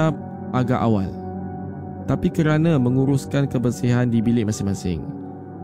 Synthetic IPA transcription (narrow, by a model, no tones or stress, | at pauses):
a | ʔaɡaʔawa̰l | t̪apikəɾanãmə̃ŋuɾuskankəbərsiɦandibilɪʔ̚mãsɪŋmasɪ̰ŋ